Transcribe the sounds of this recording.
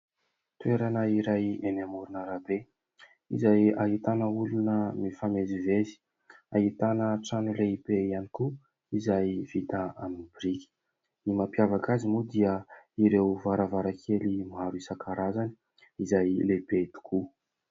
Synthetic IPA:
t̪ueɾanəiɾajenamuɾunəɾabe | ḭzajaɦit̪anəulunəmifamezivezi̥ | aɦit̪anəʈ͡ʂanileibeianiku | izajv̥it̪aaminbiɾiki̥ | imapjavakazimud̪iəiɾewvaɾavaɾakʰelimaɾuisakʰaɾazani̥ | izajlebet̪u̥kʰu

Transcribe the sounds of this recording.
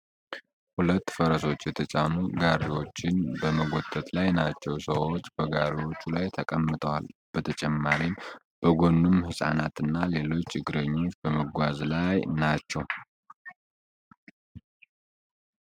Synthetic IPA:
hulət̪ːfəɾəso̞t͡ʃːjɛt̪ʰət͡ʃʼanuɡaɾiwo̞t͡ʃːɪnbəməɡo̞t̪ʼːət̪ʼlajnat͡ʃːɛwsəwo̞t͡ʃːb̥əɡaɾiwo̞t͡ʃːulajt̪ʰəkʼəmːɨt̪ʼʰəwa̰lb̥ət̪ʰət͡ʃʼɛmːaɾim | b̥əɡo̞nːumhɨsʼa̰nat̪ɨnːale̞lo̞t͡ʃːt͡ʃːɪɡːɨɾəɲːo̞t͡ʃːbəməɡʷazlajnat͡ʃːɛw

